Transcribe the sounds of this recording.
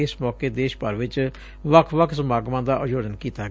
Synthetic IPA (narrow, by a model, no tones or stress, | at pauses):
ɪsmɔːkeːd̪eːʃpəɾʋɪt͡ʃ | ʋəkʰʋəkʰsəmaːɡmãːd̪aːʔəd͡ʒoːd͡ʒənkiːt̪aː